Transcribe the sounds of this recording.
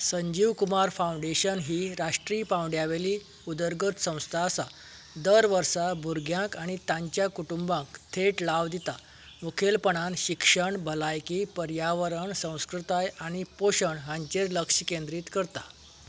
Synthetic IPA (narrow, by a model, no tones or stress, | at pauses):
səɲd͡ʑiʋkumaɾfaũɳɖeɕənɦiːɾaʂʈɾiːpãwɖjaʋeliː | ud̪əɾɡət̪sə̃w̃st̪ʰaːsa | d̪əɾʋəɾsabʱuɾɡjãkaɽ̃it̪ãɲt͡ɕjakuʈumbãŋkt̪ʰeʈlaʋd̪it̪a | mukʰelpəɳ̃anɕikʂəɳbʱəlajkiːpəɾjaʋəɾəɳsə̃w̃skɾut̪ajaɽ̃ipoɕəɳɦãɲt͡ɕeɾləkʂikẽnd̪ɾiːt̪kəɾt̪a